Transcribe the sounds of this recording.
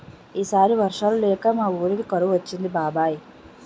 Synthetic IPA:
iːsaːɾiʋɐrʂaːlleːkːamaːuːɾikikɐɾuʋɐt͡ɕːind̪ibaːbaːji

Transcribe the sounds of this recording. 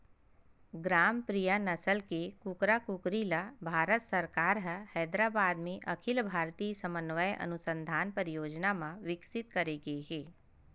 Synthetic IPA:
ɡɾaːmpɾijanɐsəlkekukɾakukɾiːlabʱaːɾət̪sɐɾkaːɾɦəhɛːd̪ɾaːbaːd̪mẽʔɐkʰɪlbʱaːɾt̪iːsəmənʋəjʔɐ̰nʊsə̃nd̪ʱaːnpəɾijoːd͡ʒnamãʋɪksɪt̪̚kɐɾeɡeɦeː

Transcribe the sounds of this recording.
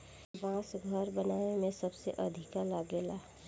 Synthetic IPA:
bãːsɡʱəɾbɐnaːnemẽsɐbseʔɐd̪ʱɪkalaːɡeːlaː

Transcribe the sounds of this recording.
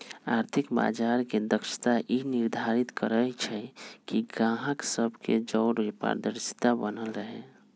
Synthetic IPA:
aɾt̪ʰikba̰d͡ʒaɾked̪əkʃi̥t̪aʔiniɾd̪ʱaɾit̪kəɾəjt͡ʃʰɛkiɡãɦəksəbʱked͡ʒɔːɾipa̰ɾd̪əɾsi̥t̪abənəlɾəɦɛ

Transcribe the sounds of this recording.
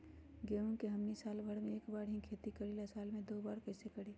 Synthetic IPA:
ɡeːũkeɦɐmnisaːlbʱɐɽmẽeːkbaːɾɦĩkʰeːt̪ikɐɾilɐsaːlmẽd̪oːbaːɾkɐɪsekɐɽiː

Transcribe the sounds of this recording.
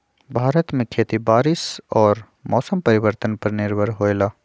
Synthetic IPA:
bʱaːɾət̪mẽkʰeːt̪ibaːɾɪsɔːɾ | mɔːsəmpɐɾɪʋəɾt̪ənpɐɾnɪɾbʱəɾɦoːelaː

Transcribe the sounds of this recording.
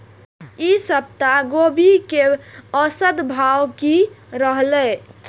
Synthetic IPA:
isəb̚t̪aɡobikeəsəd̪bʱawkiɾəɦlɛ

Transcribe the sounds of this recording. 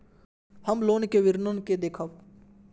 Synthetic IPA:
həmloːnkeʋɪɾnənked̪eːkʰəʋ

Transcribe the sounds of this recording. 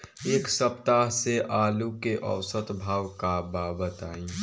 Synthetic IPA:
eːksəpt̪aɦseʔaːlukeʔə̰wsət̪bʱaːwkabaːbət̪aːĩ

